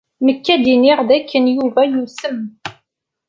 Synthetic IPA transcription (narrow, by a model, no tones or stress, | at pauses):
məkːæd̪iniʁðækːənjuvæjusəm